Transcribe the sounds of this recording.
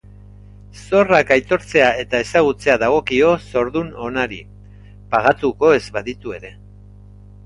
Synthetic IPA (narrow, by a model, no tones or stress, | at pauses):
so̞rakajt̪o̞ɾt͡se̞ae̞t̪ae̞saɣ̞ut͡se̞aðaɣ̞o̞kio̞so̞ɾðuno̞naɾi | paɣ̞at̪uko̞e̞zβaðit̪ue̞ɾe̞